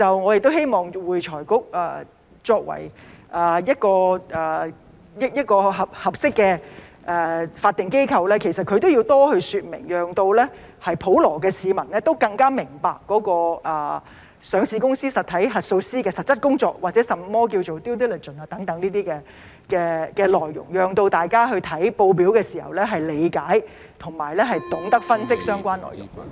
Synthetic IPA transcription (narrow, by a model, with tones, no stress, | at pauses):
t͡sɐ˨wŋɔː˨˧jk̚t̪o˥whe˥jmɔː˨˩ŋwuː˨˧jt͡ʃʰɔː˨˩jkʊ˥k̚ɐː˨ | t͡sɔː˧k̚wɐ̰˨˩jʔaː˨˩jɐ˥t̚kɔː˧ʔɐː˨˩ | jɐ˥jɐ˥t̚kɔː˧ɦɐ˨p̚hɐ˨p̚sɪ˥kːɛː˧ | ʔɛː˨˩faː˧t̪ːɪ˨ŋke˥jkʰɐ˧wlɛː˥kʰe˨˩jsɐ˨t̚kʰɵ˧t̪o˥wji˧wt̪ɔː˥hɵ˧ɥsyː˨˧t̚mɪ̰˨˩ŋjœː˨˩ŋt̪o˧wlɛː˥ | hɐ˨jpʰo˨˥wlɔː˨˩k̬ɛː˧siː˨˧mɐ˨˩nlɛː˥t̪o˥wkɐ˧ŋkaː˥mɪ˨˩ŋpaː˨kːɔː˨˥kɔː˧ʔɐː˨˩ | sœː˨˧ŋsiː˨˧kʊ˥ŋsiː˥sɐ˨t̚t̪ʰɐ˨˥jɦɐ˨t̚so˧wsiː˥kɛː˧sɐ˨t̚t͡sɐ˥t̚kʊ˥ŋt͡sɔː˧k̚waː˨t̚t͡sɛː˨˥sɐ˨mːɔː˥k̬i˧wt͡so˨wt̪i˥t̪ɛ˥lɐ˨˩t͡ʃə˨˩naː˧t̪ɐ˨˥ŋt̪ɐ˨˥ŋniː˥t̪iː˥kɛː˧ | kɛː˧kɛː˧lɔː˨˩jːʊ̰˨˩ŋjœː˨ŋt̪o˧wt̪aː˨˩jkaː˥ɦɵ˧ɥt̪ʰɐ˨˥jpo˧wp̬iː˨˥wkɛː˧siː˨˩hɐ̰˨wlɛ˥ɦɐ˨jle˨˧jkaː˨˥j | t̪ʰʊ˨˩ŋma̰ː˨˩jlɛː˥ɦɐ˨jt̪ʊ˨˥ŋt̪ɐ˥k̚fɐ˥nsɪ˥k̚sœː˥ŋkʷaː˥nlɔ̰ː˨˩jʊ̰˨˩ŋ